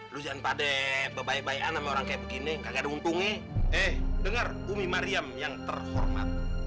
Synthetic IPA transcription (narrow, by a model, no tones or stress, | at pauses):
lud͡ʒaanpadɛbəbaɛbaʔanamɛoɾaŋkajabəɡiniŋɡaɡadɛunt̪ʊŋɛʔɛhdəŋərbumimaɾiamjaŋt̪ərhɔ̰rma̰t̪̚